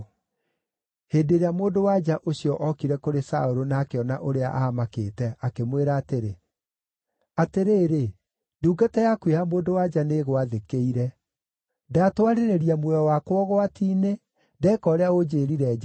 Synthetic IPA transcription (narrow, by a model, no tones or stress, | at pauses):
heːdeɾeamoːndowad͡ʒaʔosjɔʔɔkiɾɛkoɾesa̰oɾonakeɔna̰ʔoɾea̰ʔaamakḛːtɛakemweɾaːteɾe | ateɾeːɾe | nduːɡatɛjakwehamoːndowad͡ʒaneɣwaðekeiɾɛ | daːtwaɾeɾeɾiamwɛɔwakwɔɣoatiːne | dɛːkɔɾeaɣod͡ʑeːɾiɾɛːd͡ʒa